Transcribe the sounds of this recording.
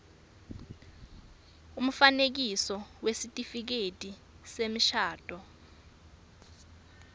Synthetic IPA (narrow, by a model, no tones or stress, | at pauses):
um̩fanek̬isɔwesitʼifik̬etʼi | semiʃaːtʼɔ